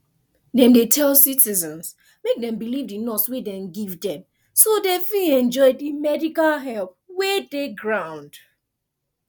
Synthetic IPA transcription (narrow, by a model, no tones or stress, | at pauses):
dɛ̃mdetʰɛlsitizɛ̃ns | mek̚dɛ̃mbilivdinɔtswedɛ̃mɡivdɛ̃m | sodefiɛ̃nd͡ʒɔɪdimɛdikalɦɛlp̚ | wedeɡɹãʊ̃nd̥